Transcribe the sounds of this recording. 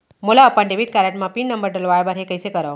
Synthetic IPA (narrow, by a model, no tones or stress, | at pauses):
mulaːpəɳɖebiʈ̚kaɾaʈmapinːəmbəɾɖəlʋajbəɾɦekəjsekəɾaʋ